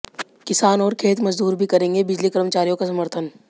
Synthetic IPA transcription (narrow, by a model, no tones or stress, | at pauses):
kɪsaːnɔːɾkʰeːt̪mɐzd̪uːɾbʱikɐɾẽːŋɡebɪd͡ʒlikɐɾəmt͡ʃaːɾijõkasɐməɾt̪ʰən